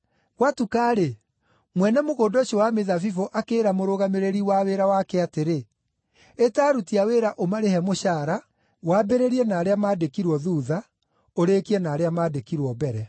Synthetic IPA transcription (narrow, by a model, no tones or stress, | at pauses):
ɣwatukaːɾe | mwɛnɛmoɣoːndoʃowameðafifoʔakeːɾamoɾoɣameɾeɾiwaweɾawakɛateɾe | etaːɾutiaweɾaʔomaɾehɛmoʃaːɾa | wabɛɾeɾiɛnaːɾeamaːdekiɾwɔðuːða | oɾekiɛnaːɾeamaːdekiɾwɔbɛɾɛ